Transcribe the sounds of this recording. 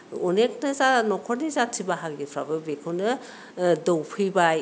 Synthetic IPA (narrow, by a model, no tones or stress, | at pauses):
ɔnek̚nɐzanɔkʰɔɾnizatʰːibaɦakɡipʰɾabɯbekʰɯnɯ | dowpʰɯbaj